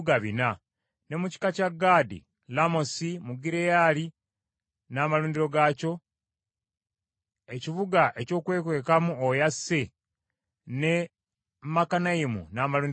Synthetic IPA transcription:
ɡaβina | ne̞muci̥kacaɡːaːdḭ | lamo̞simuɡiɾejali | naːmaluːndiɾo̞ɡaːco̞ | e̞ciβuɡaʔe̞co̞ːkwe̞ːkwe̞ːkamuojasːe | ne̞ | makanaimṵnaːmaluːn

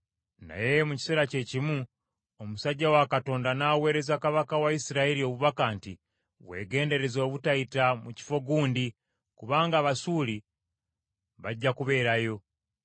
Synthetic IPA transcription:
na̰je̞muci̥seɾace̞cimu | omusaɟːawakato̞ːndanaːwe̞ːɾe̞zakaβakawaisiɾaeɾio̞βuβakanti | we̞̰ːɡe̞ːnde̞ɾe̞zo̞ːβutaitamuci̥fo̞ɡuːndi | kuβaːŋɡaβasuːli | βaɟːakuβe̞ːɾajo̞

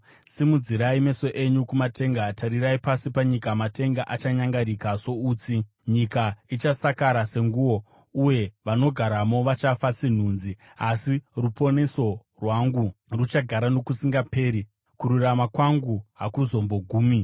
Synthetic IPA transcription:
simud͡ziɾaime̞so̞ʔe̞ɲukumatʰe̞ŋɡatʰaɾiɾaipasipaɲikamate̞ŋɡaʔat͡ʃaɲaŋɡaɾikaso̞uːt͡si | ɲikait͡ʃasakaɾase̞ŋɡuwo̞ | uje̞ʋano̞ɡʱaɾamo̞ʋat͡ʃafasin̤uːnzi | asirupo̞ne̞so̞ | rwaŋɡurut͡ʃaɡʱaɾano̞kusiŋɡape̞ːɾi | kuɾuramakwaŋɡuɦakuzo̞mbo̞ɡʱuːmi

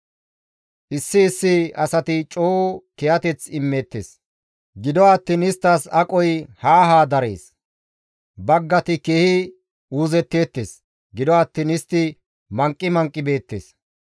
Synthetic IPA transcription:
ʔɪsːɪːsːɪɐsɐt̪ɪt͡ʃʼoːkɛjɐt̪ɛt͡sɪmːeːt̪ːḛːs | ɡɪd̪ɔɐt̪ːiːnɪst̪ːɐsɐkʼɔjhaːɦaːd̪ɐɾḛːs | bɐɡːɐt̪ɪkeːhɪ | uːzɛt̪ːe̞ːt̪ːeːs | ɡɪd̪ɔat̪ːiːnɪst̪ːɪ | mɐŋkʼːɪmɐŋkʼːɪbe̞ːt̪ːḛːs

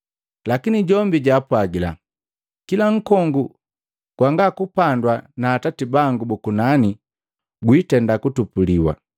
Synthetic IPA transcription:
lakiniɟɔmbiɟaːpwaɡila̰ | kilaŋ̩kɔŋɡu | ɡ̥waŋɡakupandwanaːtatibaŋɡubukunani | ɡwitɛndakutupuliwa̰

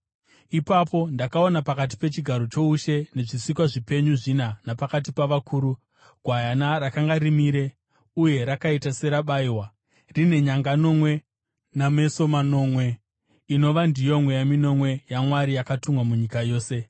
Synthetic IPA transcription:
ipapo̞ndakao̞napakat̬i̥pe̞t͡ʃiɡʱaɾo̞t͡ʃo̞uʃe̞ne̞ʐisikwaʐipe̞ɲuʐinanapakat̬ipaʋakʰuːɾu | ɡʱwajanarakaŋɡaɾimiɾe̞ | uje̞ɾakaitase̞ɾaɓaiwa | rine̞ɲaŋɡano̞mwe̞ | name̞so̞mano̞ːmwe̞ | ino̞ʋandijo̞mwe̞jamino̞mwe̞jamwaɾijakatumwamuɲikajo̞ːse̞

